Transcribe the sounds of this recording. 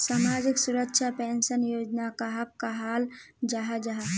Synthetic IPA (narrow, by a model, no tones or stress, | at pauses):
saːmaːd͡ʒɪksuɾəkʃʰapɛːnʃənjoːd͡ʒnakaɦɐkːaɦaːld͡ʒaɦad͡ʒaɦa